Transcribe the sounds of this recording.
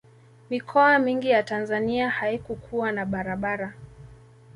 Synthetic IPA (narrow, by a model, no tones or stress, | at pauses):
mikʰɔamiŋɡijatanzaniahaikukʰuanaɓaɾaɓaɾa